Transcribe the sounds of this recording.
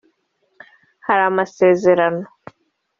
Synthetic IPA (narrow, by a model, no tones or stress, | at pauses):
haɾamase̞ːzeɾano